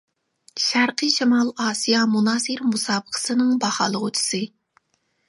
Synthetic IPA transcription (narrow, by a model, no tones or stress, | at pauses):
ʃæɾqʰɨʃimɑlˠɑːsijɑmunɑːsɨɾmusɑːbəqʰə̥sɨnɨŋbɑhɑːlˠəʁʊt͡ʃʰɪ̥sɨ